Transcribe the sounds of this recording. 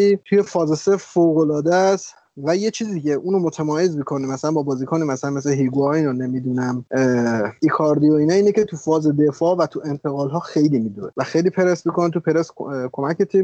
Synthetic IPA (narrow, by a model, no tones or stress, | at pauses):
it̪ʰuje̞fɒːze̞sefoɣo̞lɒːd̪æst̪ | væje̞t͡ʃʰiːzid̪icʰe̞ʔuːnomot̪ʰemɒːje̞zmikʰo̞nimæsælænbɒːbɒːzikʰɔːnimæsælænmes̬leɦiɡuɒinonemid̪unæm | ikʰɒɾd̪ioiːnɒːiːnecʰe̞t̪ʰufɒːze̞d̪e̞fɒːvæt̪ʰuʔe̞nt̪ʰe̞ɣɒːlɦɒːxe̞jlimid̪unevæxejlipʰe̞ɾesmikonet̪upʰe̞ɾeskʰo̞mæcet̪ʰib